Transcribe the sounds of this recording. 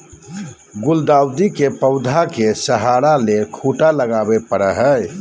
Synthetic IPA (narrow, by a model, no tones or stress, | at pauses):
ɡuld̪awd̪ikepəwd̪ʱakesəɦaɾalekʰuʈaləɡabepəɽəɦəj